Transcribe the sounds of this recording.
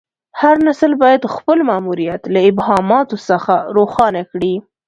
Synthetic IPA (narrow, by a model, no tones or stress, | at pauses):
haɾnasəlbɑjad̪xpəlmɑmuɾijat̪laɪbhɑmɑt̪osəxaɾoxɑnakɽi